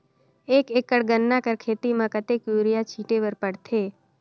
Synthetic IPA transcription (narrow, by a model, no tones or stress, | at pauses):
ekekəɽɡənːakəɾkʰet̪imãkət̪ekjuɾijat͡ʃʰiʈeʋəɾpəɽt̪ʰe